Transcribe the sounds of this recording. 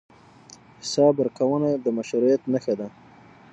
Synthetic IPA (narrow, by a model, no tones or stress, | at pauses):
hɪsɑbəɾkawənad̪əmaʃuɾijat̪naxad̪a